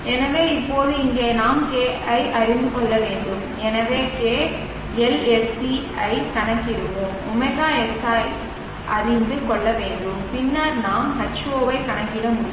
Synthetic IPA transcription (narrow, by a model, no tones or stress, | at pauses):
ɛnɐʋeːɪpːoːðɯɪŋɡeːnaːmkeːɐɪʔɐɾɪnd̪ɯkɔɭːɐʋeːɳɖɯm | ɛnɐʋeːkeː | ɛlɛssi | ɐɪkɐɳɐkːɪɾɯʋomʊmɐɣaːɛsaːj | ʔɐɾɪnd̪ɯkɔɭːɐʋeːɳɖɯmpɪnːaːɾnaːmhɐʈt͡ʃːɯoːʋɐɪkɐɳɐkːɪɾɐmʊɽɪ